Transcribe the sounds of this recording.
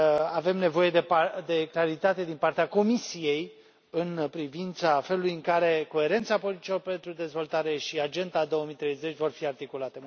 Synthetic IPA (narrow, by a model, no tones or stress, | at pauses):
ave̞mne̞vo̞je̞d̪epad̪e̞klaɾit̪at̪e̞d̪inpart̪eako̞misije̞j | ɨnpɾivint̪safe̞lulujɨŋkaɾe̞ko̞e̞ɾe̞nt̪sapo̞lit̪it͡ʃiope̞nt̪ɾud̪e̞zvo̞lt̪aɾe̞ʃiad͡ʒe̞nd̪ad̪o̞omit̪ɾe̞jze̞t͡ʃʲvo̞rfiart̪ikulat̪e